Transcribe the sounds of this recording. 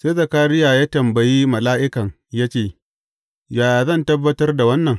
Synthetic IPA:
seː˦zɐ˨kaː˦ɾɪ˦jaː˨jaː˦tɐ˨mbɐ˨ji˦mɐ˨laː˦ʔɪ˦kɐ˨ŋ | jaː˦t͡ʃeː˨ | jaː˨zɐ˦˨ntɐ˦bːɐ˦tɐ˦rda˨wɐ˦nːɐ˨ŋ

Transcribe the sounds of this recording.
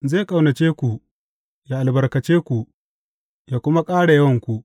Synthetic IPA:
zeː˦˨kʼa˨wnɐ˨t͡ʃeː˦kʷu˨ | jaː˨ʔa˨lbɐ˨rkɐ˨t͡ʃeː˦kʷu˨ʔ | jaː˨kʷʊ˦ma˦kʼaː˦ɽa˨jɐ˦wɐ˨ŋkʷu˨ʔ

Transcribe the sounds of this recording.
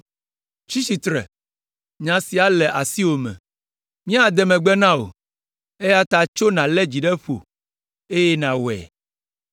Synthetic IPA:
t͡ʃi˦si˨t̪ɾɛ̰˨ | ɲã˨si˨a˦lɛ˨ʔa˨si˦wo˨mɛ̰̃˨ | mĩ˦a˦d̪ɛ˨mɛ̃˨ɡ͡bɛ˦nã˦o̰˨ | e˦ja˦t̪a˨t͡ʃo˦nã˨lɛ˦d͡ʑi˨ɖɛ˦ɸo̰˨ | e˦jɛ˦nã˨wɛ̰˨

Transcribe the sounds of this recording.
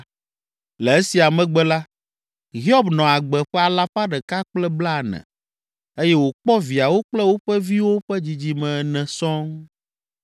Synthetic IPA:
lɛ˨e˦si˨a˨mɛ̃˨ɡ͡bɛ˦la˦ | ɦi˦ɔ˦bnɔ̃˨a˨ɡ͡bɛ˨ɸɛ˦a˨la˦ɸa˦ɖɛ˨ka˦k͡plɛ˦bla˦˨nɛ̰̃˨ | e˦jɛ˦wo˨k͡pɔ˦vi˨a˨wo˦k͡plɛ˦wo˦ɸɛ˦vi˦wo˦ɸɛ˦d͡ʑi˨d͡ʑi˨mɛ̃˨nɛ̃˨sɔ̃˦ŋ

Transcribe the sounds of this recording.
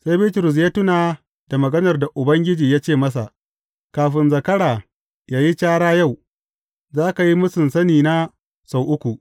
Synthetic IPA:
sa˦jbi˦tʊ˨ɾʊ˨s̬jaː˦tʊ˦naː˨ | d̥a˨mɐ˨ɡɐ˦nɐ˨rda˨ʔʊ˨bɐ˦ŋɡʲɪ˦d͡ʒiː˨jaː˦t͡ʃeː˦˨mɐ˦sa˨ | kaː˨ɸɪ˦nzɐ˨kɐ˦ɽaː˨ | jaː˦ji˦t͡ʃaː˦ɽaː˦ja˦˨w | zaː˦ka˨ji˦mʊ˦sɪ˨nsɐ˦niː˨na˦ | sa˨wʔʊ˦kʷu˨ʔ

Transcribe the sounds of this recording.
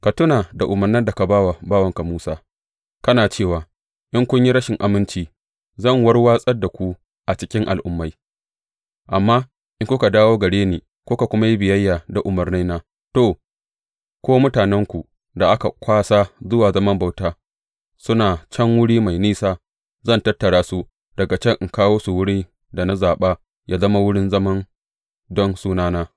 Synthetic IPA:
ka˨tʊ˦naː˨da˨ʔʊ˨mɐ˨rnɪ˦nda˨ka˨baː˦wa˨baː˦wɐ˨ŋka˨muː˦saː˦ | kɐ˦naː˨t͡ʃeː˦˨waː˨ | ʔɪ˦ŋkʷʊ˦ɲji˦ɾɐ˦ʃɪ˨ŋʔa˨mɪ˦nt͡ʃiː˦ | zɐ˦˨ŋwɐ˦rwaː˦sʼɐ˦rda˨kʷu˦ | ʔa˨t͡ʃɪ˦kʲɪ˦ŋʔa̰˨lʔʊ˦mːa˦j | ʔa˨mːaː˦ | ʔɪ˦ŋkʷʊ˦ka˨daː˦woː˦ɡɐ˨ɽeː˦niː˨ | kʷo˦ka˨kʷʊ˦ma˦ji˦bɪ˨jɐ˦jːaː˨da˨ʔʊ˨mɐ˨rni˦naː˦ | toː˨ | kʷoː˦mʊ˦taː˨nɛ˦ŋkʷu˨ | da˨ʔa˦ka˨kʷaː˦sa˦zʊ˦waː˨zɐ˦mɐ˦mba˨wtaː˦ | sʊ˦naː˨t͡ʃɐ˦ŋwʊ˦ɽiː˦ma˨jniː˦saː˦ | zɐ˦˨ntɐ˦tːɐ˨ɽaː˦su˦ | d̥ɐ˨ɡa˨t͡ʃɛ˦ŋʔŋkaː˦woː˦su˨wʊ˦ɽiː˦ | da˨na˦zaː˨ɓaː˦ | jaː˦zɐ˦ma˦wʊ˦ɽɪ˦nzɐ˦mɐ˦n | dɔ˦nsuː˦naː˦naː˦

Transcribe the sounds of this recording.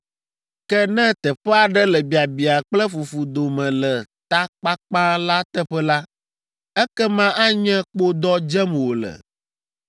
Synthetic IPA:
kɛ˦nɛ̃˦t̪ɛ˨ɸɛ˦a˨ɖɛ˦lɛ˨bi˨a˨bi˨a˨k͡plɛ˦fu˨fu˨d̪o˨mɛ̃˨lɛ˨t̪a˦k͡pa˦k͡pã˦la˦t̪ɛ˦ɸɛ˦la˦ | ɛ˦kɛ˦mã˦ʔa˦ɲɛ̃˦k͡po˦d̪ɔ˦d͡ʒɛ˦m˨wo˨lɛ̰˨

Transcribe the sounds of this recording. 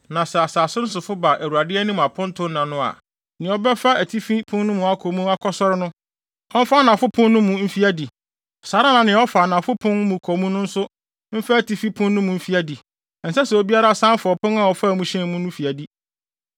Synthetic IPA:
nã˨sɛ˨a˨sa˨a˨sʊ˦n̩˦sʊ˨fʊ˦ba˨ʔæ˨ɾu˨a˨dɪ˦ɛ˦nũ˦m˨a˨pʰʊ̃˦n˦tʰʊ̃˦nnːã˨nʊ̃˦a̰˨ | nɪ̃˨˦ɔ˦bɛ˦fa˦æ˨tʰi˦fi˦pʰʊ̃˦n˦nʊ̃˦mũ˨˦a˦kʰo˨mũ˦a˦kʰɔ˦sɔ˦ɾɪ˦nʊ̃˦ | ɔ̃˦m̩˦fa˦nã˨fʊ˦pʰʊ̃˦nːʊ̃˦mũ˨m̩˦fi˦æ˦di˨ | ɔ˨saː˨˦ɾa˦nã˨nɪ̃˨˦ɔ˦fa˨nã˨fʊ˦pʰʊ̃˦nmũ˨kʰɔ˨mũ˦nʊ̃˦n̩˦sʊ˦ | m̩˦fɛ˦æ˨tʰi˦fi˦pʰʊ̃˦nː˦ʊ̃˦mũ˨m̩˦fi˦æ˦di˨ | n̩˨sɛ˦sɛ˨o˦bi˦a˦ɾa˦˨sã˦nfɔ˨pʊ̃˦nã˨wɔ˨fa˦˨mũ˨ɕɛ̃˦mũ˦nʊ̃˦fi˨æ˨di˦

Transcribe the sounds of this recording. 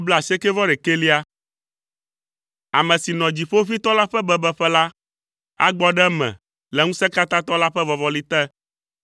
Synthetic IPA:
o˦blɛ˦˨a˨si˦ɛ˦kɛ˦vɔ˦ɖɛ˨ke˦li˦a˦ | a̰˨mɛ̃˨si˨nɔ̃˨d͡ʑi˨ɸo˦fi˦t̪ɔ˦la˦ɸɛ˦bɛ˦bɛ˦ɸɛ˦la˦ | a̰˦ɡ͡bɔ˦ɖɛ˦mɛ̰̃˨ | lɛ˨ŋũ˦sɛ˦ka˦t̪ã˦t̪ɔ˦la˦ɸɛ˦vɔ˨vɔ˦li˦t̪ɛ˦

